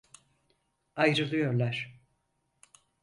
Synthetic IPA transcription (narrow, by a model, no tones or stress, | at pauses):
ajɾɯlˠɯjo̞ɾlˠaɾ̥